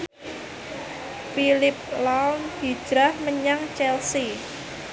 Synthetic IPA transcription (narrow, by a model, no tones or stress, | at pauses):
filɪp̚lawnhi̥ʒ̥ɾahməɲaŋt͡ʃɛlsi